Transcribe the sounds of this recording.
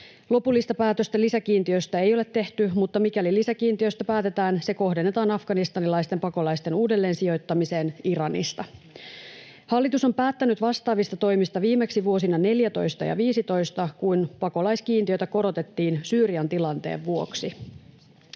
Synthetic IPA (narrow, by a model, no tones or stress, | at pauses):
lo̞pulːist̪ɑpæːt̪øst̪ælːisækiːnt̪iøst̪æe̞jo̞let̪ːe̞ht̪ymut̪ːɑmikælilisækiːnt̪iø̞st̪æpæːt̪e̞t̪æːnse̞ko̞ɦde̞nːe̞t̪ɑːnɑfɡ̥ɑnist̪ɑnilɑjst̪e̞mpɑko̞lɑjst̪e̞nuːde̞lːeːnsio̞jt̪ːɑmise̞ːniɾɑnḭst̪ɑ | hɑlːit̪uso̞mpæːt̪ːænyt̪ʋɑst̪ɑːʋist̪ɑt̪o̞jmist̪ɑʋiːme̞ksiʋuo̞sinɑne̞ljæt̪o̞̰jst̪ɑ̰jɑ̰ʋiːsit̪o̞jst̪ɑkujnpɑko̞lɑjskiːnt̪iø̞jt̪æko̞ɾo̞t̪e̞t̪ːiːnsyːɾiɑnt̪ilɑnt̪e̞̰ːʋːuo̞ksi